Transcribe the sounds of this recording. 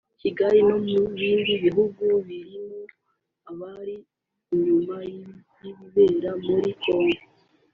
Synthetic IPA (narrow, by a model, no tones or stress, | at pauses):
ciɡajimomuβiːndiβiɦuɡuβiɾimu | aβaɾiː | ɲumaj | jiββeːɾamuɾiko̞ːŋɡo